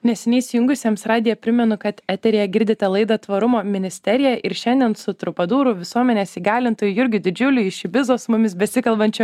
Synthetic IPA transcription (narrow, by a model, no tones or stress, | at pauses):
nʲɛsʲɛnʲɛɪsʲɪjʊŋɡʊsʲiɛmsɾɑːd̪ʲɪjɛpʲɾʲɪmʲɛnʊkɐt̪æt̪ʲɛɾʲejɛɡʲɪɾʲd̪ʲɪt̪ʲɛlˠɐɪd̪ɐt̪ʋɐɾʊmoːmʲɪnʲɪsʲt̪ʲɛɾʲɪjɛʔɪɾʃʲɛnʲd̪ʲiɛnsʊt̪ɾʊpɐd̪uːɾʊʋʲɪsuɔmʲɛnʲeːsiːɡɑːlʲɪnt̪oːjʊjɪɾʲɡʲɪd̪ʲɪd͡ʒʲʊlʲʊɪʃɪʋʲɪzoːsmʊmʲɪsbʲɛsʲɪkɐlˠbɐnʲt͡ʃʲɛ